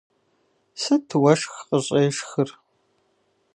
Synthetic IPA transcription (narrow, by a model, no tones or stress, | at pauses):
sɐtʰɨwɐʂxqəɕʼeːʂxɨr